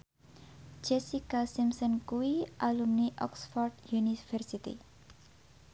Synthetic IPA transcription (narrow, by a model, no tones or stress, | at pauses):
d͡ʒɛsikasimsənkuialumniʔɔ̰ksfɔrɖjunifəɾsit̪ḭ